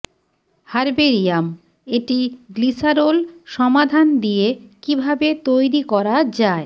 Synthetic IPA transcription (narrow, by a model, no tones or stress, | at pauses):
haɾbeɾijam | eʈiɡlisaɾolʃɔmad̪ʱand̪ijekibʱabet̪ojɾikɔɾad͡ʑae